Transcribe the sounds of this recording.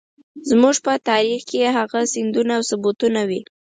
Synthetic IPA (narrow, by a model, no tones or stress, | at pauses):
zmuʐpət̪ɑɾixkeɦaɣasɪnd̪unaːwsʊbut̪unawi